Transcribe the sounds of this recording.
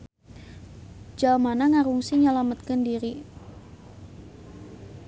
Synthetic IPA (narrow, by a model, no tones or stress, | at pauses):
d͡ʒamanaŋaɾuŋsiɲalamət̪̚kəndiɾi